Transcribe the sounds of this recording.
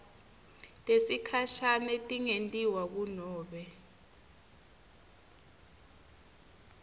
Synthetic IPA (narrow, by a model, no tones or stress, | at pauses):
tʼesikʰaʃanɛtʼiŋentʼiwak̬unɔːɓɛ